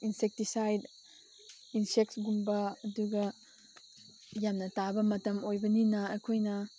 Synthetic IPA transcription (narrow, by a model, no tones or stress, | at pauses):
insek̚tisajd | insek̚tɡumbɐːduɡɐ | jamnɐtabɐmɐtɐmojbɐninɐɐkʰojnɐ